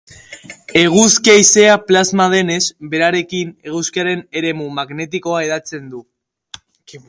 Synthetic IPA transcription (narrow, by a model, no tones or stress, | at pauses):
e̞ɣ̞uskiaise̞aplazmað̞e̞ne̞zbe̞ɾaɾe̞kine̞ɣuskiaɾe̞ne̞ɾe̞mumaɣne̞t̪iko̞ae̞ðat͡se̞nd̪u